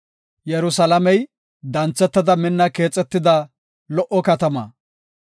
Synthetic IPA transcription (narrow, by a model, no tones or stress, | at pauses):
jɛɾʊsɐlɐmɛj | d̪ɐnt͡sːɛt̪ːɐd̪ɐmɪnːɐke̞ːt͡sʼːɛt̪ːɪd̪ɐ | lɔʔɔkɐt̪ɐmɐ̰